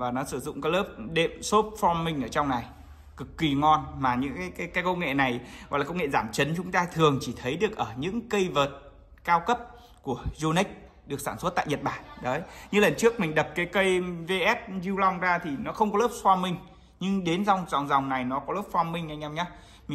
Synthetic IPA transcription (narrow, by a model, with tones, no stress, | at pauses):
vaː˨˩nɔ˨˦sɨ˧˩zʊ̰˧˨ŋ͡mkaː˨˦jləː˦˥p̚ɗḛ˧˨mso˦˥p̚fɔ˧mːï˧ŋ̟ʔəː˧˩t͡ɕɔ˧wŋ͡mna˨˩j | kɨ˨˩kːi˨˩ŋɔ˧nmaː˨˩ɲɨ̰˧˥ŋkaː˨˦jkaː˨˦jkaː˨˦jkə˧wŋḛ˧˨na˨˩jɔ̰˧˨lːkə˧wŋḛ˧˨zaː˧˩mt͡ɕə˨˦nt͡ɕʊ˨˦ŋ͡mt̪aː˧t̪ʰɨ˨˩əŋt͡ɕi˧˩t̪ʰə˨˦jɗɨ˨˩ək̚ʔəː˧˩ɲɨ̰˧˥ŋkə˧jvəː˨˩t̚ | kaː˧wkə˦˥p̚ | ku˧˩əzo˧ni˦˥k̚ | ɗɨ˨˩əksaː˧˩nswə˦˥t̚t̪a̰ː˧˨jɲə˨˩t̚ɓaː˧˩nɗəː˨˦jɲɨ˧lə˨˩nt͡ɕɨ˦˥ək̚mï˨˩ŋ̟ɗə˨˩p̚kaː˨˦jkə˧jve˧ʔɛ˦˥t̚zi˧wla˧wŋ͡mzaː˧t̪ʰi˨˩nɔ˨˦xə˧wŋ͡mkɔ˨˦ləː˦˥p̚fɔ˧mï˧ŋ̟ | ɲɨ˧ŋɗe˨˦nza˧wŋ͡mza̰˨˩wŋ͡mza˨˩wŋ͡mna˨˩jnɔ˨˦kɔ˨˦ləː˦˥p̚fɔ˧mï˧ŋ̟ʔa˧jŋʔɛ˧mɲaː˨˦ | m˨